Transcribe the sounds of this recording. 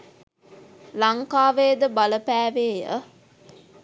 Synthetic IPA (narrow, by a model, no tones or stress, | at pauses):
laŋkaːʋeːd̪əbaləpæːʋeːjə̰